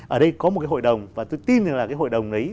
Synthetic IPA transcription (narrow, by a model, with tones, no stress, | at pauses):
ʔəː˧˩ɗə˧jkɔ˨˦m̚˨˩kaː˨˦ho̰˧˨jɗə˨˩wŋ͡mvaː˨˩t̪o˧jt̪i˧nzŋlaː˨˩kaː˨˦ɦo̰˧˨jɗə˨˩wŋ͡mʔə˨˦